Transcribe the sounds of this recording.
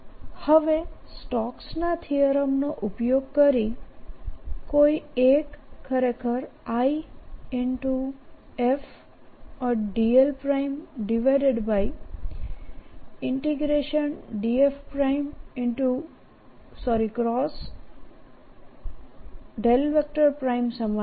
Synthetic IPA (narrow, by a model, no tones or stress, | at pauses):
həʋesʈɔksnat̪ʰijəɾəmnoʔʊpjoɡ̚kəɾi | koiekʰːəɾekəɾaiɪɳʈu | ef | ɔɾɖielpɾaimɖiʋajɖeɖbaj | ɪɳʈiɡɾeʃənɖiefpɾaimɪɳʈu | sɔɾikɾɔs | ɖelʋek̚ʈəɾpɾaimsəma